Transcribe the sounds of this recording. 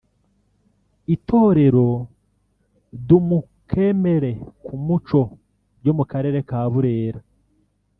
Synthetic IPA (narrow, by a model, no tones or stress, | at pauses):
ito̞ːɾe̞ɾo̞ | dumu | kʰe̞me̞ɾe̞kʰumut͡ʃo̞ | bɟo̞mukaɾe̞ːɾe̞kaːβuɾe̞ːɾa